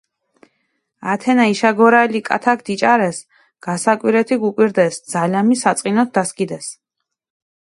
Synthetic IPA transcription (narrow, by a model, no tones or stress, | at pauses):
at̪ʰɛnaiʃaɡɔɾaɛlikʼa̰t̪ʰak̚ʰd̪̥it͡ʃʼaɾɛs | ɡ̥asakʼwiɾɛt̪ʰiɡukʼwiɾd̪ɛsd̪zalamisat̪sʼqʼinɔt̪̚d̪askʼid̪ɛs